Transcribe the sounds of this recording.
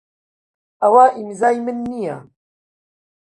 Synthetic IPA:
ɐwaːʔimzaːjmɨnːija̰

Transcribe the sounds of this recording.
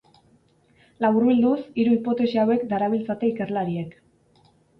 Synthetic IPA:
laβurβild̪usiɾuipo̞t̪e̞siawe̞kd̪aɾaβ̞ilt͡sat̪e̞ike̞rlaɾie̞k

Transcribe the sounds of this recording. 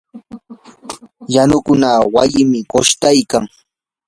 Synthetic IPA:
janʊkʊnawajɪmɪkoʃt̪ajkaŋ

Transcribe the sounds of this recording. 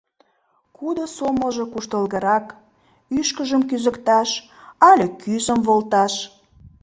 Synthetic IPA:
kud̪osoməʒəkuʃt̪əlɣəɾɑk | yʃkəʒəmkyzə̆kt̪ɑʃ | ɑlʲekʰyzəmβolt̪ɑʃ

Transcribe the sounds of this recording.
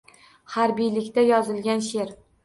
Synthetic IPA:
haɾbijlɪkʲt̪ajɒzɪlɡʲanʃe̞ɾ

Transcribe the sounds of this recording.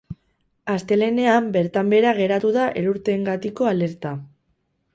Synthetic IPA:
ast̪e̞le̞ne̞ambe̞ɾt̪ambe̞ɾaɣ̞e̞ɾat̪uðaʔe̞ɾuɾt̪e̞ŋɡat̪iko̞ale̞ɾt̪a

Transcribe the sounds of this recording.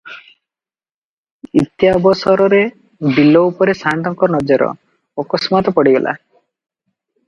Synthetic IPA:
it̪jabɔsɔɾɔɾe | bilːɔupɔɾesaɳɖɔŋkɔnɔd͡ʒɔɾɔ̰ | ɔkɔsmat̪ɔpɔɽiɡɔlʔa̰

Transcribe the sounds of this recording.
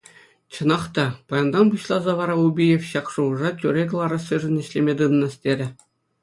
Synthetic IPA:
t͡ɕɤ̆nɑχt̪ɑpɑjɑnd̪ɑnbuɕlˠɑzɑʋɑɾɑubʲijefɕɑkʂuɤʐɑtʲyɾʲeɡʲlˠɑɾɤ̆sɯʐɤ̆nʲɘ̆ɕlʲemʲed̪ɯnɤnɑ̆sʲtʲeɾʲɘ̆

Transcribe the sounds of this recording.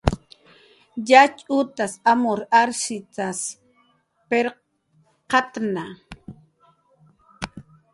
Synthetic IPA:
jat͡ʃʼʊt̪asamoɾaɾsɪt͡sas | peɾ | qɑt̪na

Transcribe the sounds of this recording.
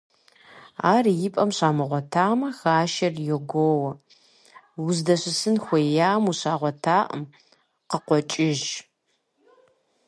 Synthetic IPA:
aːrjɪpʼɐmɕaːmɨʁʷɔtʰaːmɐxaːʃɐrjɛɡʷoːwɐ | wʊzdɐɕɪsɨnxʷɔjaːmuɕaːʁʷɔtʰaːʔə̰m | qəqʷɔt͡ʃʼɪʒ

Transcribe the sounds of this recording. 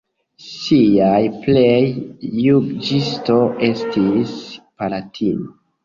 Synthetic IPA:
siajplejːuɡd͡ʒisto̞ʔe̞stispalatʰino

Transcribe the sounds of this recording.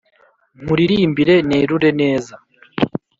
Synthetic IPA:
muɾiɾiːmbiɾe̞neːɾuɾe̞ne̞ːza

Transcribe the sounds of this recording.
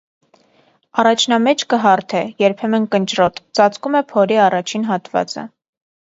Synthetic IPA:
ɑrɑt͡ʃʰnɑmɛt͡ʃʰkəɦɑɾt̪ʰɛjɛɾpʰɛmənkənt͡ʃrɔt̪t͡sɑt͡skumɛpʰɔɾiɑrɑt͡ʃʰinɦɑt̪vɑ̰t͡sə̰

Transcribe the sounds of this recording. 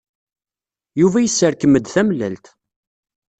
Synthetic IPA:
juvæjəsːəɾkəməd̪θæmlælt̪

